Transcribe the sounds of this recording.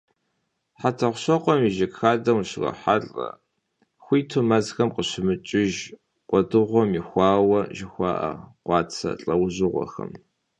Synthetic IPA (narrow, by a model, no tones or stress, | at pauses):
ħatʰɐχʷɕɔqʷʼɔmiʒɪkxaːdɐwʃɪʁɐ̰ħaɬʼɐ̰ | xʷiːtʰomɐzxɐmqəɕɪmɨt͡ʃʼɪʒ | qʷʼɔdɨʁʷɔmixʷɑːwɐʒɪxʷɑ̰ːʔɐ̰qʷɑːt͡sʰɐ̰ɬʼɐwʑɨʁʷɔ̰xɐ̰m